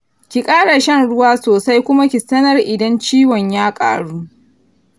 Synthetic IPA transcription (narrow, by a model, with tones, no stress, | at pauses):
kʲi˨kʼaː˦ɽa˨ʃɐ˦˨nɽʊ˦waː˦soː˨sa˦jkʷʊ˦ma˦kʲi˨sɐ˦nɐ˦rʔɪ˨dɐ˦nt͡ʃiː˦wɔ˨ɲjaː˦kʼa̰ː˨ɽuː˦ʔ